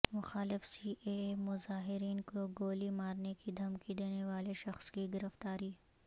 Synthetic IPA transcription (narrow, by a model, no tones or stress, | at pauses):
mʊxaːlɪfsiːʔemʊzaːɦɪɾiːnkoɡoːlimaːɾnekid̪ʱɐmkid̪eːneʋaːleʃɐxskiɡɪɾəft̪aːɾiː